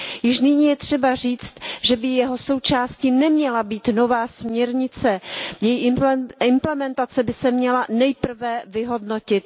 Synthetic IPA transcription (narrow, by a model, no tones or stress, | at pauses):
jɪʃnɪɲiːjɛt̪r̝̥ɛbar̝iːt͡st̪ʒɛbɪjɛɦo̞so̞wt͡ʃaːscinɛmɲɛlabiːt̪no̞vaːsmɲɛɾɲɪt͡sɛjɛjiɪmplɛmɛnt̪at͡sɛbɪsɛmɲɛlanɛjpr̩vɛvɪɦo̞dno̞cɪt̪̚